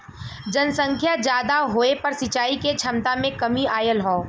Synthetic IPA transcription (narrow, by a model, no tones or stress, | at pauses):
d͡ʒənsə̃ŋkʰjad͡ʒjaːd̪aɦoːepɐɾsɪt͡ʃaːiket͡ʃʰɐmt̪amẽkɐmiaːjəlɦɔː